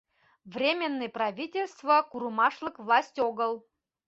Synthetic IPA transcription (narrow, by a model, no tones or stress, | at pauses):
vrʲemʲenːɨjpɾɐvʲitʲelʲst̪vəkuɾumɑʂlˠəkvlˠasʲtʲoɡəlˠ